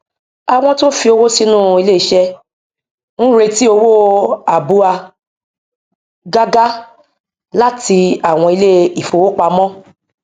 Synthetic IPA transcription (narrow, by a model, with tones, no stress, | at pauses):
a˧w̃ɔ̃˧to˦fi˧o˧wo˦si˧˦nũ˦˨i˧le˦i˨ʃɛ˧ | n̩˦ɾe˧ti˦o˧wo˦a˨bu˧a˧ | ɡa˦ɡa˦ | la˦ti˧a˨w̃ɔ̃˧i˧le˦i˨fo˨˧wo˦k͡pa˧mɔ̃˦